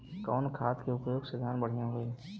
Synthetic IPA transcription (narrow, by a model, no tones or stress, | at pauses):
kɔːnkʰaːt̪keʊpjoːɡsed̪ʱjaːnbəɽ̤ijãɦoe